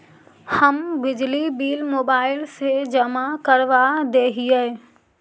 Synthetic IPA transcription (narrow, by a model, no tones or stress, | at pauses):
həmbɪd͡ʒlibiːlmoːbaːɪlsed͡ʒəmakəɾʋad̪eɦijɛ